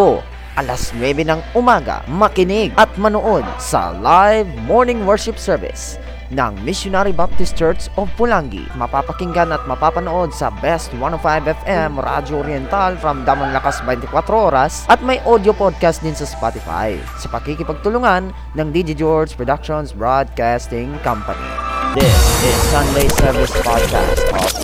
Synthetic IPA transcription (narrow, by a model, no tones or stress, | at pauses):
o | ʔɐlasnwɛbɛnɐŋʔʊmaːɡɐ̰mɐkɪnɪɡ̚ʔɐt̪̚mɐnoʔo̞d̪̚sɐ̰lajvmoɹnɪŋwɛɹʃɪpsɛɹvɪ̰s | nɐ̰ŋmɪsjʊnaɾibap̚t̪ɪstt͡ʃɛɹt̪sovpʊlaŋɡḭmɐpapɐkɪŋɡanɐt̪̚mɐpapɐnoʔo̞d̪̚sɐ̰bɛst̪wanofajbɛfɛmʔoɾʔa̰d͡ʒoʔoɾjɛnt̪alfɾɐmd̪aːmɐŋlɐkasbɛnt̪ɪkwat̪ɾoʔoːɾɐsʔɐt̪̚mɐjʔod̪jopod̪̚kast̪̚d̪ɪnsɐspat̪ɪfa̰j | sɐpɐɡ̚kikɪpɐɡ̚t̪ʊlʊŋanːɐŋd̪id͡ʒid͡ʒɔɹspɹɔd̪akʃonsbɹod̪̚kast̪ɪŋkɐ̃mpɐ̰nḭd̪ɪsɪsːɐ̃nd̪ejsɛɹvɪspad̪̚ka̰st̪ɔ̰